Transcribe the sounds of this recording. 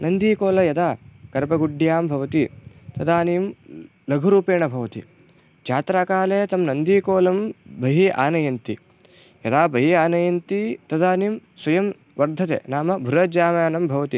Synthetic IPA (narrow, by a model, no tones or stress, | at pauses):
nɐnd̪iːkoːlɐjɐd̪aːkɐɾbɐɡuɖjaːmbʱɐʋɐt̪it̪ɐd̪aːniːm | lɐɡʱuɾuːpeːɳɐbʱɐʋɐt̪i | d͡ʒaːt̪ɾaːkaːleːt̪ɐmnɐnd̪iːkoːlɐmbʱɐɦiʔa̰ːnɐjɐnt̪i | jɐd̪aːbʱɐɦiaːnɐjɐnt̪it̪ɐd̪aːnimswɐjɐm | ʋɐɾd̪ʱɐt̪ḛːnaːmɐbʱuɾɐd͡ʒaːmaːnɐmbʱɐʋɐt̪i